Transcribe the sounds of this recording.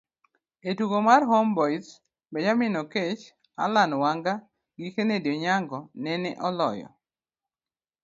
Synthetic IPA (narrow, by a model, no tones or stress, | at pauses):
etuɡomarɦɔmbɔjs | bɛd͡ʒamɪnɔket͡ʃ | a̰lanwaŋɡa | ɡikenedjɔɲaŋɡɔnɛnɛ̰ʔɔlɔ̰jɔ̰